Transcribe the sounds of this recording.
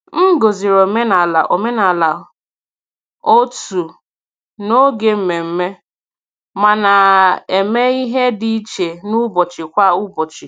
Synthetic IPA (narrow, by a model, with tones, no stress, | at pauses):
m̩˦ɡo˨zi˨ɾo˨me˦na˨la˨ʔo˨me˦na˨la˨ | o˦tu˨ | no˦ɡe˦m̩˨me˨m̩˦me˦ | ma˨na˨e˨me˦i˦ɦe˦di˦i˦t͡ʃe˨nʊ˦bɔ˨t͡ʃɪ˨kʷa˦ʊ˦bɔ˨t͡ʃɪ˨